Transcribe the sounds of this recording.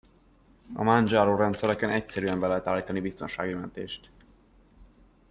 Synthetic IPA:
ɒ̰mand͡ʒaːɾoːɾɛnt̪sɛɾɛkɛnɛcsɛɾyɛmbɛlɛɦɛt̪aːliːt̪ɒnibist̪onʃa̰ːɡijɛlɛnt̪ḛːʃt̪

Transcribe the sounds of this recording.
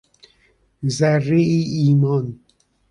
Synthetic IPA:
zærːeiːiːmɒn

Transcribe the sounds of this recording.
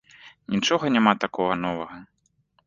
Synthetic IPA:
nʲit͡ʂɔɣɐnʲamat̪akɔɣɐn̪ɔvɐɣɐ

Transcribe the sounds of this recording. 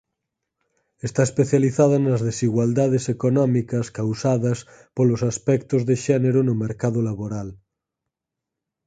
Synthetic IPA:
est̪aespeθjaliθað̞ɐnɐzðesiɣwald̪aðesekonɔmikɐskawsaðɐs | polosaspɛkt̪ozðeʃɛneɾonomeɾkaðolaβoɾal

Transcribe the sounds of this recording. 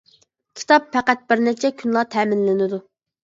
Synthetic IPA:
kʲʰi̥t̪ʰɑpfæqæt̪̚b̥ɪɾnæt͡ʃʰɛkʲʰynlˠɑt̪ʰɛːmɪnlɪnɪd̪u

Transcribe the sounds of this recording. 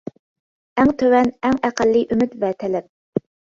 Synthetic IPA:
æŋt̪ʰøwɛnæŋæqælːiʔymyt̪vɛt̪ʰɛlɛp̚

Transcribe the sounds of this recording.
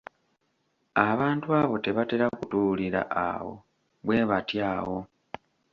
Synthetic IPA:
aβaːntuaβo̞te̞βateɾakutuliɾa̰ʔa̰wo̞̰ | βwe̞βatjaːwo̞

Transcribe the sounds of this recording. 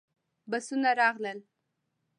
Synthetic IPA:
basunaɾɑɣləl

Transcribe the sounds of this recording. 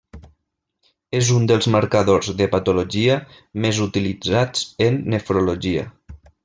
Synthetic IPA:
ezund̪əlˠzməɾkaðozðəpat̪uloʒiə | mezut̪ilid͡zad͡zənːefɾoloʒiə̰

